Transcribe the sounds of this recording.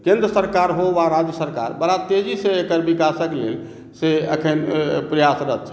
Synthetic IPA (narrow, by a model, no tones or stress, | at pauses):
kẽnd̪ɾəsəɾkaɾɦoʋaɾad͡ʒjəsəɾka̰ɾbəɽat̪ed͡ʒisẽekəɾbikasəklel | seə̰kʰənpɾəjasɾət̪t͡ʃʰɛ̥